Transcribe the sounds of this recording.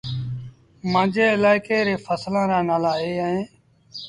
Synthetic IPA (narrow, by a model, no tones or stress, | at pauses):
mãːd͡ʒʱeːɪlaːɪkeːɾeːfʰəslãːɾaːnaːlaːɦeːɦẽː